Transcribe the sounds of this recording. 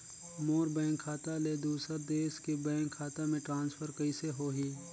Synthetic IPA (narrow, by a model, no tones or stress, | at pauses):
moːɾbɛ̃ːŋkʰːaːt̪aled̪uːsəɾd̪eːʃkebɛ̃ːŋkʰːaːt̪amẽʈɾãːnspʰəɾkəiseɦoːɦiː